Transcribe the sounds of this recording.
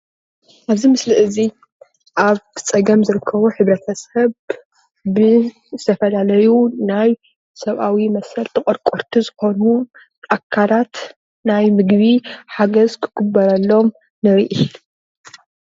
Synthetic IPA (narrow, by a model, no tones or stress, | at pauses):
ʔaβzimɨslɨʔɨzi | ʔaβt͡sʼɐɡɐmzɨɾɨkʰːɐβuħɨβɾɐt̪ʰɐsɐβ | bɨ | zɨt̪ʰɐfɐlalɐjunaj | sɐβʔawimɐsɐlt̪ʰɨkʼoɾkʼoɾt̪ʰizɨxo̞nu | ʔakʰːalat̪ | najmɨɡβiħaɡɐzkʰɨ̥ɡɨbːɐɾɐlːo̞m | nɨɾiʔi